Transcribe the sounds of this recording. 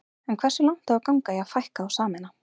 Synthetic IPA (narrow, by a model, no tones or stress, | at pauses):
ɛnkʰv̥ɛrsʏlawŋ̥t̪avaɾkawŋkajɛaɣfajhkaːwsaːmɪna